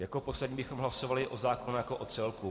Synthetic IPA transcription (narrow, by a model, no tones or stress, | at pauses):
jakopo̞slɛdɲiːbɪxomɦlasovalɪʔozaːkonjakoʔot̪t͡sɛlku